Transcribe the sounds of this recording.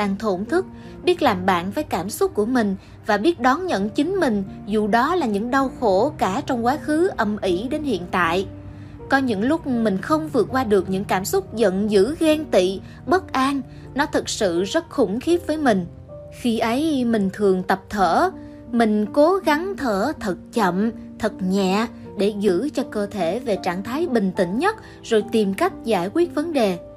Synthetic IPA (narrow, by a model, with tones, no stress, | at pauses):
ɗaː˧ŋt̪ʰo˧˩nt̪ʰɨ˦˥k̚ | ɓi˦˥ət̚laː˨˩mɓa̰ː˧˨nvəː˨˦jkaː˧˩msʊ˦˥k͡p̚kːu˧˩əmï˨˩ŋ̟ | vaː˨˩ɓi˦˥ət̚ɗɔ˨˦nɲə̰˧˨nt͡ɕï˨˦ŋ̟mï˨˩ŋ̟zu˧˨ɗɔ˨˦laː˨˩ɲɨ̰˧˥ŋɗa˧wxo˧˩kaː˧˩t͡ɕɔ˧wŋ͡mkwaː˨˦xɨ˨˦ʔə˨˩mʔi˧˩ɗe˨˦nhḭ˧˨ənt̪a̰ː˧˨j | kɔ˨˦ɲɨ̰˧˥ŋlʊ˦˥k͡p̚mï˨˩ŋ̟xə˧wŋ͡mvɨ˨˩ət̚kwaː˧ɗɨ˨˩ək̚ɲɨ̰˧˥ŋkaː˧˩msʊ˦˥k͡p̚zə̰˧˨nzɨ̰˧˥ɣɛ˧nt̪ḭ˧˨ | ɓə˦˥t̚ʔaː˧n | nɔ˨˦t̪ʰɨ˨˩k̚sɨ̰˧˨zə˦˥t̚xʊ˧˩ŋ͡mxi˦˥ət̚vəː˨˦jmï˨˩ŋ̟ | xi˧ʔə˨˦jmï˨˩ŋ̟t̪ʰɨ˨˩əŋt̪ə˨˩p̚t̪ʰəː˧˩ | mï˨˩ŋ̟ko˨˦ɣa˨˦ŋt̪ʰəː˧˩t̪ʰə˨˩t̚t͡ɕə̰˧˨m | t̪ʰə˨˩t̚ɲɛ̰˧˨ | ɗe˧˩zɨ̰˧˥t͡ɕɔ˧kəː˧t̪ʰe˧˩ve˨˩t͡ɕaː˧˩ŋt̪ʰaː˨˦jɓï˨˩ŋ̟t̪ï˧˩ŋ̟ɲə˦˥t̚ | zo˨˩jt̪i˨˩mka˦˥jk̟̚zaː˧˩jkwi˦˥ət̚və˨˦nɗe˨˩